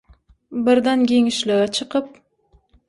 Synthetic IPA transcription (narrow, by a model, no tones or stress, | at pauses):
bɪɾd̪ankʲeŋɪʃlaɡat͡ʃʰɨqɨp̚